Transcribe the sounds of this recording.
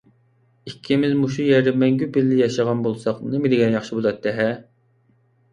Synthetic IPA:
ikʲʰːimɪzmuʃujɛɾd̪ɪmɛŋɡʲypɪlːɪjɑʃɑʁɑnbolˠsɑqnemɪd̪ɪɡʲɛnjɑχʃibolˠɑt̪̚ʰːɛɦɛ

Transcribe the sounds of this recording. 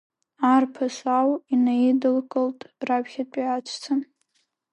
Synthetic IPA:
arpʰasʷawinajidɨlkʼɨltʼrapʰχʲatʷʼiat͡ʃʷʰt͡sʰɨn

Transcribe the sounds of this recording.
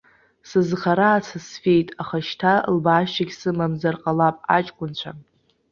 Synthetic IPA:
sɨzχaɾaːt͡sʰasfejtʼaχaʃtʰalbaːʃaɡʲsɨmamzarqʼalapʼa̰t͡ʃʼkʷʼʊnt͡ɕʷʰa

